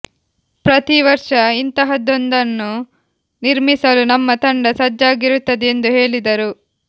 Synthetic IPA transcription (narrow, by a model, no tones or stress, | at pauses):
pɾɐt̪iʋɐɾʂɐint̪ɐɦɐd̪ond̪ɐnːu | niɾmisɐlunɐmːɐt̪ɐɳɖɐsɐd͡ʒːaːɡiɾut̪ːɐd̪ɛend̪uɦe̞ːɭid̪ɐɾu